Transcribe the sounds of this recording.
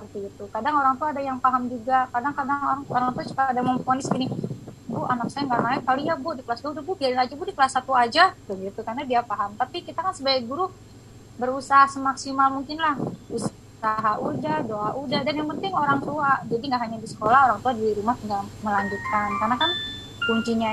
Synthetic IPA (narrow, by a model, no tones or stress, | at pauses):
ərt̪iɡit̪ukadaŋoɾaŋt̪uaːdajaŋpaɦamd͡ʒuɡakadaŋkadaŋoɾaŋoɾaŋt̪uat͡ʃu̥kaadaməmponɪskinibʊanaksajaŋɡaʔmaɛt̪kaloijabʊdikəlasduadububiadinad͡ʒabʊdikəlasat̪uad͡ʒadəŋɡit̪ukarnadiapaɦamt̪apikit̪akansəbaɪk̚buɾu | bəɾusaɦasəmaksimalmuŋkɪnlahus | aɦaʔudadoʔaʔudahdanjaŋpənt̪ɪŋoɾaŋt̪uad͡ʒadiŋɡaʔɦaɲadisə̥kolahoɾaŋt̪uadiɾumaht̪ŋɡaməlaɲd͡ʒut̪̚kankarnakan | kuɲt͡ʃiɲa